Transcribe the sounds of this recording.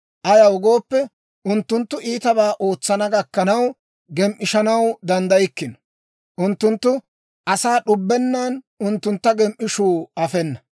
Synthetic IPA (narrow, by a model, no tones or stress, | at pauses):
ʔɐjɐwʊɡo̞ːpːɛ | ʔʊnt̪ːʊnt̪ːʊʔiːt̪ɐbaːʔo̞ːt͡sːɐnɐɡɐkːɐnɐw | ɡɛmʔɪʃɐnɐwd̪ɐnd̪ɐjɪkːɪnɔ̥ | ʔʊnt̪ːʊnt̪ːʊ | ʔɐsaːɗʊbːɛnːaːn | ʊnt̪ːʊnt̪ːɐɡɛmʔɪʃuːɐfɛnːɐ